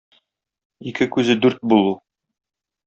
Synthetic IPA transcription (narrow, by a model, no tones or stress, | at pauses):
ikɘkʉzɘd̪ʉɾt̪̚bulˠu